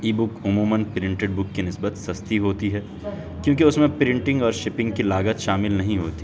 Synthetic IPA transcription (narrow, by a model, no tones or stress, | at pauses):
iːbʊkʊmuːmənpɾɪ̃ɳʈeɖ̚bʊkːenɪsbət̪sɐst̪iɦoːt̪iɦɛː | kjõːkiʊsmẽpɾɪ̃ɳʈɪ̃ŋɡɔːɾʃɪpɪ̃ŋɡkilaːɡət̪ʃaːmɪlnɐɦĩɦoːt̪i